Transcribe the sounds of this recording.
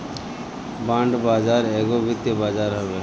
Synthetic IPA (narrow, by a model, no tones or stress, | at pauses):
bãːɳɖbaːd͡ʒaːɾeːɡobɪt̪jəbaːd͡ʒaːɾɦɐʋeː